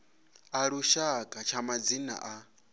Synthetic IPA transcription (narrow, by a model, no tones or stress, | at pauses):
aɺuʃakʼat͡ʃʰamad͡zina̰ʔa